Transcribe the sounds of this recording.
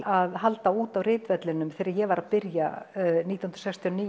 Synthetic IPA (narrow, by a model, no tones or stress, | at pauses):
aðɦalt̪auːt̪awrɪːt̪vɛt̪lɪnʏmθɛːɾɪɾjɛɣvaɾʔaðpɪɾjaniːt̪aɔwnɾ̥sɛkst̪ʰiɔniː